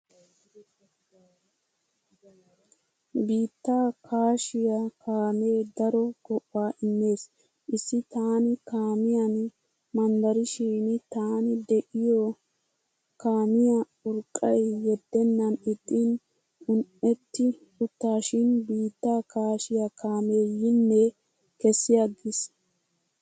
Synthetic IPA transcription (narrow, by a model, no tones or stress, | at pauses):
biːt̪ːaːkʰaːʃɪjakaːmeːd̪ɐɾɔɡ̥ɔʔːaːʔɪnːe̞ːs | ʔɪsːɪt̪aːnɪkaːmɪjɐn | mɐnd̪ɐɾɪʃiːnt̪aːnɪd̪ɛʔɪjɔ | kaːmɪjɐ | ʊɾkʼːɐjːɛd̪ːɛnːɐnɪt̪ʼːɪn | ʊnʔɛt̪ːɪ | ʊt̪ːaːʃɪnbiːt̪ːaːkaːʃɪjakaːme̞ːjɪnːɛ | kɛsːɪjɐɡːɪs